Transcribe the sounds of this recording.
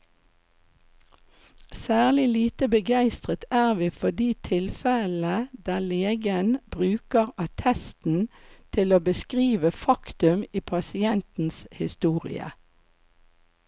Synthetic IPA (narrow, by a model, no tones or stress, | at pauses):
sæːʁlɪliːt̪əbəɡæɪst̪ʁət̪æːʁʋiːfɔd̪iːt̪ʰɪlfɛləd̪̥æːleːɡənb̥ʁʉːkəʁɑt̪ʰɛst̪n̩t̪ʰɪloːbəskʁiːʋəfɑkt̪ʉmiːpʰɑsɪɛnt̪n̩shɪst̪uːʁɪ̰ə̰